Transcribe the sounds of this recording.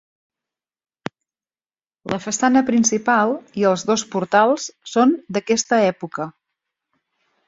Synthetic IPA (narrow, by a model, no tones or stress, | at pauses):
lʔəfəsanəpɾinsipalˠiəlˠzðospuɾt̪alˠssond̪əkɛst̪əɛpukə